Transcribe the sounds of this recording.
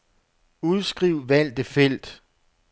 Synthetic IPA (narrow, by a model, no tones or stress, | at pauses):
uð̞ˠsɡ̥ʁiʊ̰ʋæl̰d̥əfel̰d̥